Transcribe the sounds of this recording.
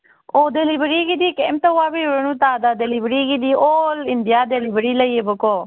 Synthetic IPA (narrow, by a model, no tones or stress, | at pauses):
oːd̪elibəɾiːɡid̪iːkeːmt̪əaːbiʊɾənũːt̪aːd̪aːd̪elibɾiːɡid̪iːoːlɪnd̪ɪjaːd̪elibəɾiːləiebəkoː